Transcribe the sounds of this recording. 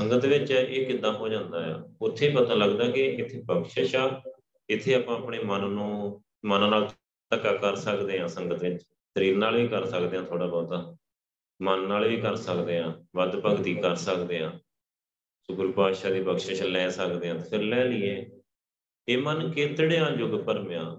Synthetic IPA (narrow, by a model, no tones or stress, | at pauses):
səŋɡət̪ʋɪt͡ʃːʔeːkɪd̪ːaːɦoːd͡ʒãːnd̪aːja̰ːʊt̪ʰːeːpət̪ə̃ːləɡd̪aːkɪɪt̪ʰːeːpəkʃaːʃaː | ɪt̪ʰːeːaːpãːəpɳeːmənːũː | mənãːnaːl | ʈ̪əkːaːkəɾsəkd̪eːãːsəŋɡət̪ʋɪt͡ʃ | səɾiːɾnaːlʋiːkəɾsəkd̪eːãːt̪ʰoːɽaːbɔːt̪aː | mənːaːlʋiːkəɾsəkd̪eːãːʋəd̪pəɡt̪iːkəɾsəkd̪eːãː | sʊkɾpaːʃaːd̪iːpəkʃaːʃaːlɛːsəkd̪eːãːt̪ːpʰɪɾlɛːliːeː | eːmənkɪt̪ɽeːãːd͡ʒʊɡpəɾmjãː